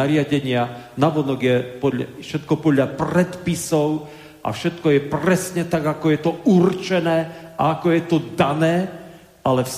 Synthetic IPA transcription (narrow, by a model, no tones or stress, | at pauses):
aɾɪaɟɛɲɪanaʋɔnɔɡjɛpɔfʃɛt̪̚kɔpɔd̪ʎapɾɛt̪pisɔʊ | ʔa̰fʃɛt̪kɔjɛpɾɛsɲɛt̪aɡakɔjɛt̪ɔurt͡ʃɛnɛːʔaakɔjɛt̪ɔd̪anɛː | ʔalɛfs